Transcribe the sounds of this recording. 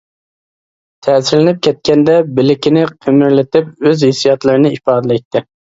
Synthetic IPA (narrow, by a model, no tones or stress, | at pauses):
t̪ʰɛsɪɾlɪnɪp̚kʲʰɛt̪̚kʲɛnd̪ɛbɪlɪkʲɪnɪqʰemɪɾlɪt̪ʰɪpøzhɪsijɑt̪lˠɨɾɨnɪipɑːd̪ɨlɛk̚ʲt̪ːɪ